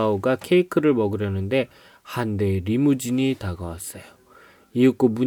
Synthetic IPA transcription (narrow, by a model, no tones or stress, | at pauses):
oɡakʰe̞ikʰɯɾɯɭmʌɡɯɾjʌnɯnde̞ | hande̞ɾimud͡ʑiɲitaɡʌwas͈ʌjo | iɯk͈omu